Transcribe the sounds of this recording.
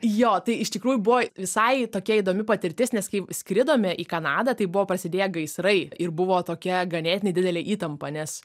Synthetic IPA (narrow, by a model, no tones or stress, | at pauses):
joːt̪ɐɪɪʃt̪ʲɪkɾuːjubʊʋoːʋʲɪsɐɪt̪oːkʲiɛid̪oːmʲɪpɐt̪ʲɪɾʲt̪ʲɪsnʲɛskɐɪsʲkɾʲɪd̪oːmʲɛʔiːkɐnɑːd̪ɐt̪ɐɪbʊʋoːpɾɐsʲɪd̪ʲeːjɛɡɐɪsɾɐɪʔɪrbʊʋoːt̪oːkʲɛɡɐnʲeːt̪ʲɪnʲɛɪdʲɪdʲɛlʲeːʔiːt̪ɐmpɐnʲɛs